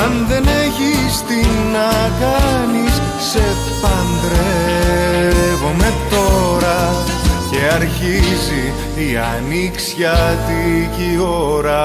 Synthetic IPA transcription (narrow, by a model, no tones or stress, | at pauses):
ɐnðe̞neçist̪inɐkɐnis | se̞ | pɐnd̪ɾee | vo̞me̞t̪o̞ɾɐ | ce̞ɐɾçizi | iɐ̰ | niksçɐt̪iʝio̞ɾɐ